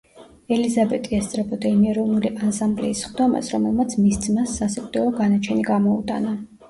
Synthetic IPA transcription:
ɛlizabɛt̪ʼiɛst̪sʼɾɛbɔd̪aimiɛɾɔvnuliʔasamblɛ̰isχd̪ɔma̰sɾɔmɛlˠmat̪sʰmisd̪zmasːasikʼt̪ʼɔɔɡanat͡ʃʰɛniɡamɔut̪ʼana

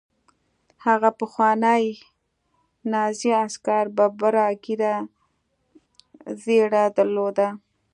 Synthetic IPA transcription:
haɣapəxwɑnəj | nɑziaskaɾbabaɾɑɡiɾa | zeɽad̪əɾlod̪a

